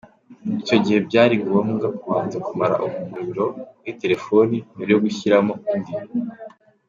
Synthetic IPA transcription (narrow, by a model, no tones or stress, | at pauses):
ico̞ɟihe̞bɟaːɾiŋɡuowamɡakuβaːnzekumaɾa̰ʔumumuβiɾo̞̥wite̞ɾe̞fo̞nimuɾjo̞ɡuçiɾamo̞indimo